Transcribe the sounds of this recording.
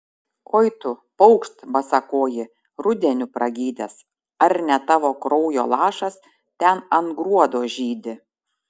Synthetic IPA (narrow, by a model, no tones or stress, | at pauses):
kʰoːɪt̪ʊpɔʊkʃt̪bɐsɐkoːjɪ | ɾʊd̪ʲɛnʲʊpɾʔɐɡʲiːd̪ʲɛs | ɐɾnʲɛt̪ɑːʋoːkɾɔʊjo̰ːlˠɑːʃɐs | t̪ʲɛnɐnɡɾuɔd̪oːʒʲiːd̪ʲɪ